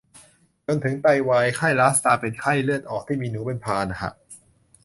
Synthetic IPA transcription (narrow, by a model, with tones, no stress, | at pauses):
t͡ɕo˧nt̪ʰɯ˩˦ŋt̪a˧jwaː˧jkʰa˥˩jlaː˦˥st̪aː˧pe˧nkʰa˥˩jlɯ˥˩ət̪̚ʔɔː˨˩k̚t̪ʰiː˥˩miː˧nuː˩˦pe˧npʰaː˧n˩kʰa̰˧˩ʔ